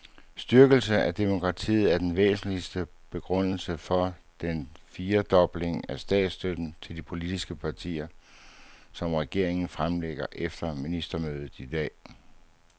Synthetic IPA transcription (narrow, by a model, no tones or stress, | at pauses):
sd̥yɐɡ̥əl̩səæd̥e̝mo̝kʰʁɑ̈t͡sʰḭːð̩ˠæɐd̥enʋḛːsn̩lisd̥ə | b̥e̝ɡ̥ʁɔn̰l̩səfɒ̽d̥enfiːɐd̥ɒ̽b̥le̝ŋæsd̥ɛ̰ːd̥sd̥ød̥n̩t͡sʰe̝ld̥ipʰo̝lid̥isɡ̥əpʰɑ̈t͡sʰḭːɐ | sɒ̽mʁɛɡ̥e̝ɐ̰eŋn̩fʁamleɡ̥ɐʔefd̥ɐminisd̥ɐmøːð̞ˠð̩ˠid̥ɛ̰ː